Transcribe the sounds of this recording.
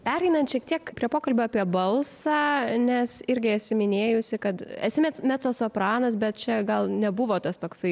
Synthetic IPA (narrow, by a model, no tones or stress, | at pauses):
pʲæːɾʲɛɪnɐnt̪ʃʲiɛk̚t̪ʲiɛkpʲɾʲiɛpoːkɐlʲbʲoːɑpʲiɛbɐlˠsɑːnʲɛsɪɾʲɡʲɪɐtʲsʲɪmʲɪnʲeːjʊsʲɪkɐt̪ɐ̰tsʲɪmʲɛt͡smʲæt͡soːsopɾɑːnɐsbʲɛt̪̚t͡ʃʲɛɡɐlˠnʲɛbʊʋoːt̪ɐst̪oːksɐɪ